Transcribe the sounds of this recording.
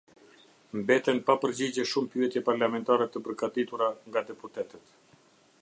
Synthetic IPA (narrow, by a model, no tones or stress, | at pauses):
mbɛt̪ɛnpapəɾd͡ʑid͡ʑɛʃumpyɛt̪jɛpaɾlamɛnt̪aɾɛt̪əpəɾɡat̪it̪uɾaŋɡad̪ɛput̪ɛt̪ɛt̪